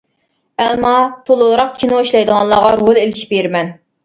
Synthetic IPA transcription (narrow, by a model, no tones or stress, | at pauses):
ɛlmɑt̪ʰolˠulˠɾɑqkʲʰinuiʃlˠɑjd̪əʁɑnlˠɑːʁɑɾolˠelɪʃi̥peɾmɛn